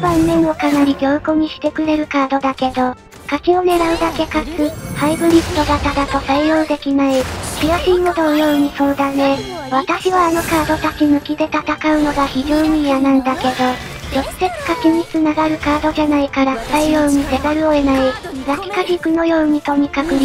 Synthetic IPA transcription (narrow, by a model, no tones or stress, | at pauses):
bãnːẽ̞ɰ̃o̞kanaɾʲiɡʲo̞ːko̞ɲ̟iɕi̥t̪e̞kɯ̟ɾe̞ɾɯ̟kaːd̪o̞d̪ake̞d̪o̞ | kakio̞ne̞ɾaɯ̟d̪ake̞kat͡sɨhaibɯ̟ɾʲist̪o̞ɡ̪at̪ad̪at̪o̞saijoːd̪e̞kʲinaikʲiɡaɕiːnod̪ojo̞ːɲ̟iso̞ːd̪ane̞ | βat̪aɕiβaːno̞kaːd̪o̞t̪at͡ɕimɯ̟kʲid̪e̞t̪at̪akaɯ̟no̞ɡaçiʑo̞ːɲ̟iːanãnd̪ake̞d̪o̞ | d͡ʑo̞sɨ̥se̞t͡sɨ̥kakʲiɲ̟it͡sɨnaɡaɾɯ̟kaːd̪o̞ʑanaikaɾḁt̪aijo̞ːɲ̟id̪e̞be̞ɾɯ̟o̞e̞naiɾakʲi̥kaʑikɯ̟no̞jo̞ːɲ̟it̪o̞ɲ̟ikakɯ̟ɾʲi